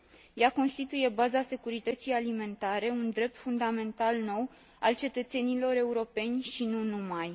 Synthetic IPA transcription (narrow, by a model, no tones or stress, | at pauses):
jako̞nst̪it̪uje̞bazase̞kuɾit̪ət̪sijalime̞nt̪aɾe̞und̪ɾe̞p̚t̪fund̪ame̞nt̪alno̞w | alt͡ʃe̞t̪ət̪se̞nilo̞ɾe̞uɾo̞pe̞nʲʃinunumaj